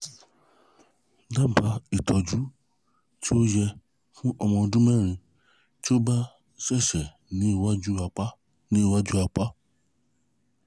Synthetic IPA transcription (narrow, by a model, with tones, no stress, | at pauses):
da˦ba˧˦i˨tʰɔ˨d͡ʒu˨˦ | ti˦o˦jɛ˧ | fũ˦ʔɔ˧mɔ̃˧dũ˦mɛ̃˦˨ɾ̃ĩ˧ | ti˦o˦ba˦ | sɛ˦˨ʃɛ˨ | nĩ˨˦i˦˨wa˦d͡ʒu˦a˧k͡pa˦ | nĩ˨˦i˦˨wa˦d͡ʒu˦a˧k͡pa˦